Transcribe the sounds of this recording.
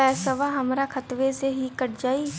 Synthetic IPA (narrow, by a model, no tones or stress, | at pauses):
ɛːsəʋaɦɐmɾakʰət̪ʋeseɦikəʈʰd͡ʒaːi